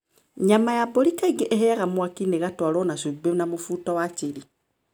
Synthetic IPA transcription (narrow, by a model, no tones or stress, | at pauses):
ɲamajabɔɾikaiɡeʔeɦɛɣamwakineɣatwalɔnaʃebenamofuːtawat͡ʃeɾi